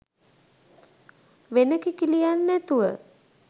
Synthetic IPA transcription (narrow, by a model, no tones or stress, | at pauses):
ʋenəkikilijanːæt̪uʋə̰